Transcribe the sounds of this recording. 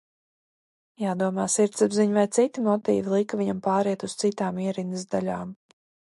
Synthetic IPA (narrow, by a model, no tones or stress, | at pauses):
jaːd̪uɔmaːsiɾt̪sabziɲvajt̪sit̪imɔt̪ḭːvilˠikviɲampaːɾiɛt̪ust̪sit̪aːmiɛɾinɨzd̪alʲaːm